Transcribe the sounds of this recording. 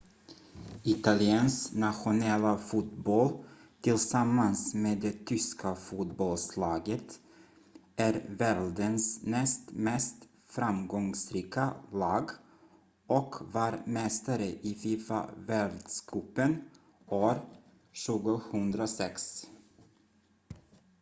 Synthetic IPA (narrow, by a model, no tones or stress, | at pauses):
ɪt̪alɪɛnsnaɧʊnɛlːafuːt̪bɔlt̪ʰɪlsamːansmeːd̪ɛt̪ʰʏskʰafuːt̪bɔlslɑːɡət̪ | ʔæɾvɛld̪ənsnɛst̪mɛst̪ | fɾamɡɔŋsɾiːkalɑːɡ | ʔɔkvɑːɾmɛst̪aɾəʔɪfiːfa̰vɛld̪skʰʉːpːən | oːɾ | ɕʉ̟ːɡʊhɵnd̪ɾasɛks